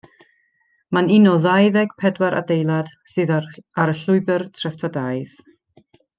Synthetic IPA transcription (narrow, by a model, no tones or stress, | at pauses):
manɪnɔðajðɛɡ̥pʰɛdwaɾʔa̰dejlˠad̥sɨːðaɾəɬʊɨbərtʰrɛftʰadajð